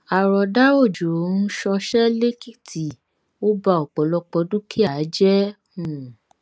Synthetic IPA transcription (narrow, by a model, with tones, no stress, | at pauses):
a˨ɾɔ˨da˦o˦˨d͡ʒu˨ɾo˨˦n̩˦ʃɔ˧ʃɛ˦le˦ki˦˨tʰi˨ | o˦ba˧ɔ˨k͡pɔ˨˦lɔ˧k͡pɔ˨˦dũ˦kʰi˦a˨˦d͡ʒɛ˦ | ũ˦˨